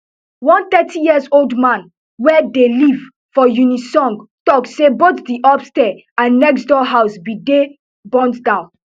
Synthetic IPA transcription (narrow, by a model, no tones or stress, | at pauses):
wɔ̃nθɛtʰijiəzoldmãn | wɛdeliv | fɔjunisɔ̃ŋɡtɔkssebot̪diʔɔpstɛ | ãnːɛksdɔɦaʊsbide | bɔ̃ntdãʊ̃n